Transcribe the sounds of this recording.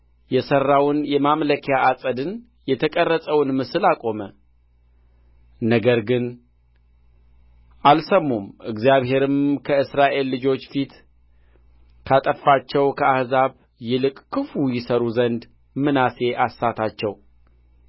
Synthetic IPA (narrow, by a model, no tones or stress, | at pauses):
jɛsərːawʊnjɛmamləkʰjaʔasʼəd̪ɨn | jɛt̪ʰəkʼərːəsʼəwnmɨsɨlakʼo̞mə | nəɡəɾɡɨn | ʔalsəmːumʔɨɡzijaβɦe̞ɾɨmkʰəɨsɾaʔe̞lːɨd͡ʒo̞t͡ʃːfit̪ | kʰat̪ʼəfːat͡ʃːɛwkʰəahzaβ | jɛlɨkʼkʰːɨfujɪsəɾuzənd̪ | mɨnase̞ʔasːat̪ʰat͡ʃːɛw